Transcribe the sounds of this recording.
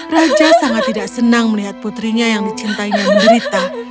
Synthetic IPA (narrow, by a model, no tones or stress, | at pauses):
rad͡ʒasaŋat̪ːidaʔsənaŋməliɦat̪̚put̪ɾiɲajaŋdit͡ʃint̪aiɲammbəɾit̪a